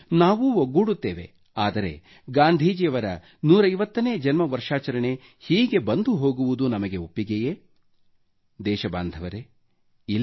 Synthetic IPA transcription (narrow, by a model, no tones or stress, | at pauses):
naːʋuoɡːuːɽut̪ːeːʋe̞̰ | aːd̪ɐɾe̞̰ | ɡaːnd̪ʱiːd͡ʒijɐʋɐɾɐ | nuːɾɐjʋɐt̪ːɐneːd͡ʒɐnmɐʋɐɾʂaːt͡ʃɐɾɐɳe̞ | hiːɡe̞bɐnd̪uɦo̞ːɡuʋud̪unɐmɐɡe̞opːiɡeje | d̪ɛːʃɐba̰ːnd̪ʱɐʋɐɾe | il